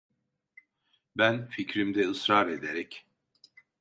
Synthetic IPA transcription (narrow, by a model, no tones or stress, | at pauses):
bænficɾimd̪ɛɯsɾaːɾed̪eɾɛc